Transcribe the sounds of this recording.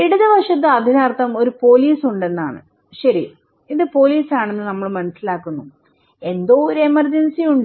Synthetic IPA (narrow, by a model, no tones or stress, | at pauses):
iɽuðɐbɐkʂɐt̪̬ːɨɐd̪ʱinaːrt̪ʰːɐmo̞ɾupo̞ːliːsuɳɖe̞nːa̰ːɳɨ̰ | ɕɐɾi | iðɨpo̞ːliːsaːɳenːɨnɐmːɐɭmɐnɐsilaːkːunːu | e̞nd̪o̞ːoɾe̞mɐrd͡ʑɐnsijuɳɖɨ